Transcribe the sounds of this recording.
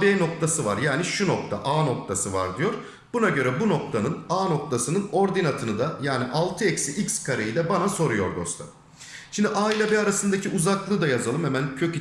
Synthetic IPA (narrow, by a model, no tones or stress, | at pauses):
beːno̞k̚t̪ʰasɯvaɾjaːniʃuno̞k̚t̪ʰa̰ʔaːno̞k̚t̪ʰasɯva̰ɾd̪ijo̞ɾ̥ | b̥unaɟø̞ɾɛbuno̞k̚t̪ʰanɯnaːno̞k̚t̪ʰasɯnɯno̞ɾd̪inat̪ʰɯnɯd̪ajaːniʔalˠt̪ʰɯɛcsiʔikskʰaɾejid̪ɛbanaso̞ɾujo̞̰ɾd̪o̞st̪ʰa̰ | ʃimd̪iʔaːilʲabɛaɾasɯnd̪acʰiʔuzaklˠɯːd̪ajazalˠɯmhemæncʰø̞ci